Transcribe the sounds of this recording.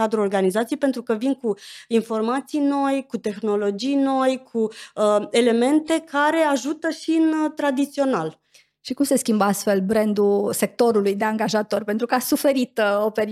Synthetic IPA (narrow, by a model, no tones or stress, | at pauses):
ad̪ɾuo̞rɡanizat̪sijejpe̞nt̪ɾukəvinkuinfo̞rmat̪sijno̞jkut̪e̞xno̞lo̞d͡ʒijno̞jkʰuəe̞le̞me̞nt̪e̞kaɾe̞aʒut̪əʃiɨnt̪ɾad̪it̪sio̞nal | ʃikumse̞skʲimbəast̪fe̞lbɾend̪use̞k̚t̪o̞ɾulujd̪e̞aŋɡaʒat̪o̞rpe̞nt̪ɾukəasufe̞ɾit̪o̞peɾ